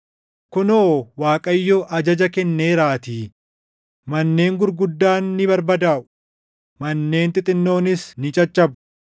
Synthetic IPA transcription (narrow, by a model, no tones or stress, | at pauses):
kʊnoːwaːkʼɐjːoːʔɐd͡ʒɐd͡ʒɐkɛnːeːɾaːt̪iː | mɐnːe̞ːŋɡʊɾɡʊd̪ːaːnːɪbɐɾbɐd̪aːʔʊ̥ | mɐnːe̞ːnt̪ɪt̪ʼɪnːo̞ːnɪsnɪt͡ʃʼɐt͡ʃʼːɐb